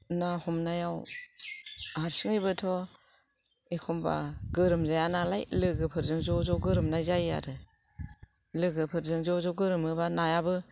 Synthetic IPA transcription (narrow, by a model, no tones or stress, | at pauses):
nahɔmnajaw | haɾsɯŋibɯtʰɔ | ekʰɔmba̰ɡɯɾɯmzajanalajlɯɡɯpʰɯɾzɯŋzɔzɔɡɯɾɯmnajzaja̰ɾɯ | lɯɡɯpʰɯɾzɯŋzɔzɔɡɯɾɯmɯbanajabɯ